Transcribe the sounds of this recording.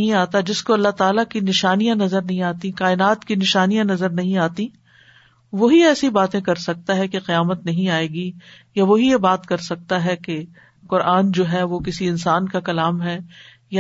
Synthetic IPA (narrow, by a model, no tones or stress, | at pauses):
ɦĩaːt̪ad͡ʒɪskoɐlːaɦt̪aːlakinɪʃaːnijãnɐzəɾnɐɦĩaːt̪ĩkaːɪnaːt̪kinɪʃaːnijãnɐzəɾnɐɦĩaːt̪ĩ | ʋoɦiɛːsibaːt̪ẽkɐɾsɐk̚t̪aɦɛkeqɪjaːmət̪nɐɦĩaːeːɡijaʋoɦijebaːt̪kɐɾsɐk̚t̪aɦɛke | qʊɾaːnd͡ʒoːɦɛʋokɪsiɪnsaːnkakɐlaːmɦɛː | ja